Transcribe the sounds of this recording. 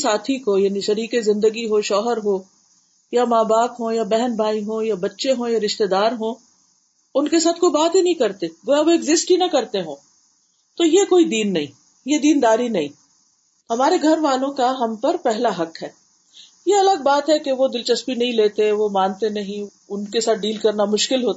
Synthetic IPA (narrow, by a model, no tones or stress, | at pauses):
saːt̪ʰikojaːniʃɐɾiːkezɪ̃nd̪əɡiɦoʃɔːɦəɾɦoː | jamaːbaːkɦõjabɛɦɛnbʱaːiɦõːjabɐtːʃeɦõjaɾɪʃt̪ed̪aːɾɦõː | ʊnkesaːt̪ʰkoibaːt̪inɐɦĩkɐɾt̪eɡoːjaʋoɪɡzɪsʈɦinɐkɐɾt̪eɦõː | t̪ojekoːid̪iːnːɐɦĩ | jed̪iːnd̪aːɾinɐɦĩː | hɐmaːɾeɡʱɐɾʋaːlõkaɦɐmpɐɾpɛɦlaɦɐkɦɛː | jeɐləɡ̚baːt̪ɦɛkeʋod̪ɪlt͡ʃɐspinɐɦĩleːt̪eʋomãːnt̪enɐɦĩ | ʊnkesaːt̪̚ʰɖiːlkɐɾnamʊʃkɪlɦoːt̪a